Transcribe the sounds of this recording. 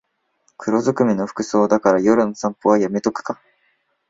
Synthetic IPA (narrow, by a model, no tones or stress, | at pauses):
kʰɯ̟ɾo̞zɨkɯ̟mʲino̞ɸɯ̥kɯ̟so̞ːd̪akaɾajo̞ɾɯ̟no̞sãmpoβajame̞t̪o̞kɯ̟̥ka